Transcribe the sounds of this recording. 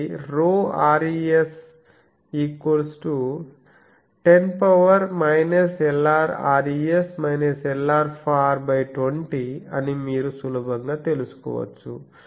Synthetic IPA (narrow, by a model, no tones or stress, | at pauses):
ɾoːaːɾies | iːkoɾsʈu | ʈenpɐʋɐɾmɐjnɐsɛlaːɾaːɾiesmɐjnɐsɛlːaːɾpʰaːɾbɐjʈoɳʈiɐnimiːɾusuluːbɐŋɡaːt̪e̞lusu̥kɔ̰ːʋɐ̰t͡ʃːṵ